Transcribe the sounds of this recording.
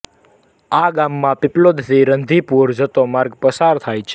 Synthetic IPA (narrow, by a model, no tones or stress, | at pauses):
aɡamːãpɪplod̪siɾənd̪ʱipuɾd͡ʒət̪omaɾɡpəsaɾt̪ʰajt͡ʃʰe̥